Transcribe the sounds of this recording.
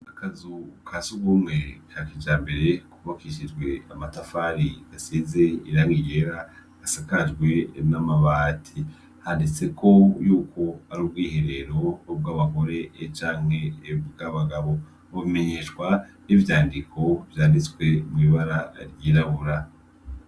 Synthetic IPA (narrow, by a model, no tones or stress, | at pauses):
akazukʰasuɡuːmŋe̞kakid͡ʒaːmbe̞ɾe̞kuβakiʃid͡ʒɡwe̞amatafaɾi̥asize̞iɾaːŋɡije̞ɾa | asakad͡ʒɡwe̞namaβaːtʰi | handet͡se̞kʰo̞juːko̞aɾub̚ɡiːhe̞ɾe̞ɾo̞ob̚ɡaːβako̞ɾe̞t͡ʃaːŋ̥he̞bɡaβaɡaβo̞ | βuβime̞ɲe̞ːʃwanivjaːndikʰo̞vjaːndit͡swe̞mŋiːβaɾaɾjiːɾaβuɾa